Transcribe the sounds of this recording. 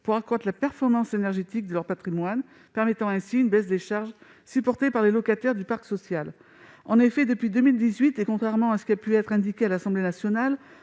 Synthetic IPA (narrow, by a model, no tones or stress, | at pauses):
puʁakad̪lapɛʁfɔʁmɑ̃senɛʁʒet̪ik̚d̪əlœʁpat̪χimwan | pɛʁmet̪ɑ̃ɛ̃siynbɛsd̪eʃaʁʒ | sypɔʁt̪epaʁlelɔkat̪ɛʁd̪ypaʁksɔsjal | ɑ̰̃nefɛd̪əpɥid̪əmild̪izɥit̪ekɔ̃t̪χɛʁmɑ̃asə̥kʲiapyɛt̪χɛ̃d̪ikʲealasɑ̃blenasjɔnal